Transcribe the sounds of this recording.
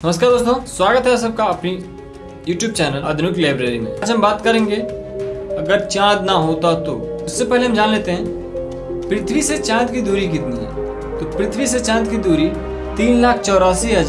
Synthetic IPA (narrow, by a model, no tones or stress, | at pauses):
nɐməstkaːɾd̪oːst̪õːswaːɡət̪ɦɛsɐb̚kaɐpni | juːʈjuːb̚t͡ʃɛːnəlɐd̪ʱnuklaːɪbɾeːɾimḛ̃ɐd͡ʒɦɐ̃mbaːt̪kɐɾẽːŋɡe | ɐɡəɾt͡ʃãːt̪naɦoːt̪at̪oʊsːepɛɦleɦɐmd͡ʒaːnleːt̪eɦɛ̃ | pɾɪt̪ʰʋiset͡ʃãːt̪kid̪uːɾik̬ɪt̪niɦɛ̰ | t̪opɾɪt̪ʰʋiset͡ʃãːnt̪kid̪uːɾi | t̪iːnlaːk̚ʰt͡ʃɔːɾaːsiɦɐd͡ʒaː